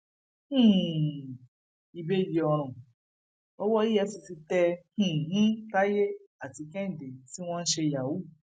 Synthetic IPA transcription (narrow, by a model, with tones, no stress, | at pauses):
i˧be˦˨li˧ɔ˧ɾ̃ɔ̃˨ | ɔ˦wɔ˦i˦jɛ˧si˧si˧tɛ˧h̩˨˦ta˦je˦ | a˦˨ti˨˧kɛ˦n̩˨de˨ti˦w̃ɔ̃˦n̩˦ʃe˧ja˨wu˨˦